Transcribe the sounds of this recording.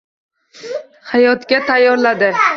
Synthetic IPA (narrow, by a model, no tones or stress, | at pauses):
hajɒt̪ɡʲat̪ʰajːɒɾlad̪ɪ